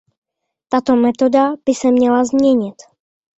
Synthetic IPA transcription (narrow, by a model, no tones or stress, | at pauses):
t̪at̪omɛt̪o̞dab̥ɪsɛmɲɛlazmɲɛɲɪt̪